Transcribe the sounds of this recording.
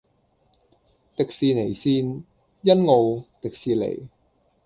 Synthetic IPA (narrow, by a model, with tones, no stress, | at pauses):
t̪ɪ˨k̚siː˨˧ne˨˩jsiː˧n | jɐ˥nŋo˨˧wt̪ɪ˨k̚siː˨˩lḛ˨˩j